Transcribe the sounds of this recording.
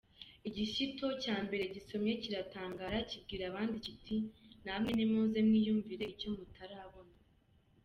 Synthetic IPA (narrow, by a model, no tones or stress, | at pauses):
iɟiʃito̞caːmbe̞ɾe̞ɟiso̞mɲe̞ciɾataːŋɡaːɾacib̚ɡiːɾaβaːndicitʰinamŋenimozemŋiːjuːɱviɾe̞ico̞mutʰaɾaːβona